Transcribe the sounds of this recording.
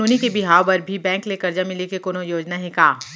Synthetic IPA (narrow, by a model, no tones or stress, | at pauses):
oːnikebɪɦaːobɐɾbʱibɛ̃ːŋklekɐɾd͡ʒamɪlekekoːnojoːd͡ʒnaɦẽkaː